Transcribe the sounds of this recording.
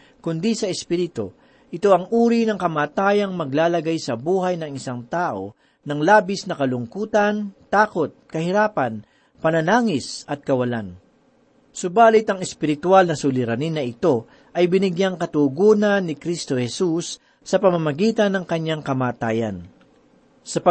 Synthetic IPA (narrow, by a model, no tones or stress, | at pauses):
kʊnd̪isɐɛspiɾɪt̪o̰ | ʔɪt̪o̞ʔɐŋʔuːɾinɐŋkɐmaːt̪aːjɐŋmɐɡ̚laːlɐɡajsɐbuːɦɐjnɐŋɪsaŋt̪aːʔo̞̰ | nɐŋlaːbɪsnɐkɐlʊŋkuːt̪ɐnt̪aːko̞t̪̚kɐhɪɾaːpɐn | pɐnɐnaːŋɪsɐt̪̚kɐwɐlan | sʊbaːlɪt̪ɐŋɛspɪɾɪt̪ʊalnɐsʊlɪɾɐninːɐɪt̪o̞ | ʔɐjbɪnɪɡjaŋkɐt̪uɡuːnɐnːɪkɾist̪o̞hɛsusː | ɐpɐmɐmɐɡiːt̪ɐnːɐŋkɐɲːaŋkɐmaːt̪aːjɐ̰n | sɐpɐ